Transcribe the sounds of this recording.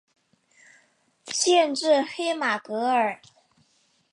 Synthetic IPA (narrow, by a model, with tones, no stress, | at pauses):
ɕjɛ˥˧nʈ͡ʂɻ̩˥˩xe˥ɪma˨˩kɤ˧˥ə˞˨˩˦